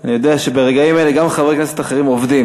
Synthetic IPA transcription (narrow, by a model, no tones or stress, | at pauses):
anijo̞d̪eaʃe̞beʁeɡaimele̞ɡamχave̞kneset̪aχeʁimo̞vd̪im